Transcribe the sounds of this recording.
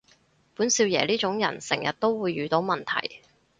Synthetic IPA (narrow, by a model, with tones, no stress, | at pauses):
puː˨˥nsiː˧wjɛ̰ː˨˩liː˥t͡ʃʊ˨˥ŋjɐ̰˨˩nsɪ̰˨˩ŋjɐ̰˨t̚t̪o˥wwuː˨˧jːyː˨˧t̪o˨˥wmɐ˨nt̪ʰɐ̰˨˩j